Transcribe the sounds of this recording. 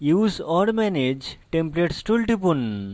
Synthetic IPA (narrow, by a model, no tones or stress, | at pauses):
juzɔɾmɛned͡ʑʈempleʈsʈulʈipun